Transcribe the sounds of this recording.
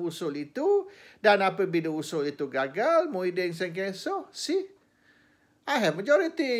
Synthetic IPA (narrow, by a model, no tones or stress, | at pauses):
usʊlit̪udanapəbidəusʊlit̪uɡaɡalmoidɛŋs̬ɛŋk̬ɛsɔhsih | ajɦɛvməd͡ʒɔɾit̪i